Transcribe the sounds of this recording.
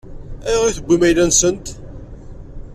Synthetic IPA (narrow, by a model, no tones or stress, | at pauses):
æʁiθəɡʷːimæjlænsənt̪